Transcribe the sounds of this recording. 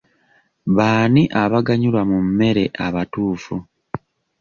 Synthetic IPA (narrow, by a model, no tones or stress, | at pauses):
βaːniʔaβaɡaɲulwamumːe̞ɾe̞ʔaβatuːfu